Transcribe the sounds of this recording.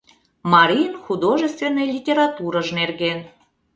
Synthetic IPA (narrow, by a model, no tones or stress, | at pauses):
mɑɾʲinxud̪oʒəst̪vʲenːəjlʲitʲeɾɑt̪uɾəʒnerɣen